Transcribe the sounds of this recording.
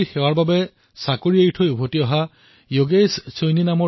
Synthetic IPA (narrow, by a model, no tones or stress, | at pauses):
xɛwaɹbabɛ | sakoɹiejtʰojubʱotiɔɦa | joɡessojninamɔ